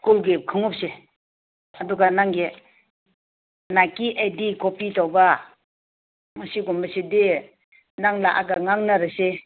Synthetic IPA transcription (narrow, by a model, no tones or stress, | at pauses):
kulɡep̚kʰɯŋɔp̚se | aduɡanaŋɡe | nakiʔajdikɔpitawba | masiɡɔmbaside | naŋlaʔa̰ɡaŋaŋnaɾɯse